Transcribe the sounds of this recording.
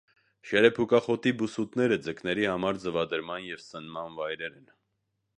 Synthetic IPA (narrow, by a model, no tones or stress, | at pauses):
ʃɛɾɛpʰukɑχɔt̪ibusut̪nɛɾəd͡zəknɛɾihɑmɑɾd͡zəvɑd̪əɾmɑnjɛvsənmɑnvɑjɾɛɾɛn